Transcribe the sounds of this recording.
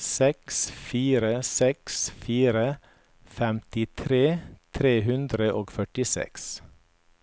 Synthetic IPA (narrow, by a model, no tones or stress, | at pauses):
sɛksfiːɾəsɛksfiːɾə | fɛmt̪ɪt̪ʰɾeːt̪ʰɾeːɦʉnd̪ɾəʔoːɡfœʈɪsɛ̰ks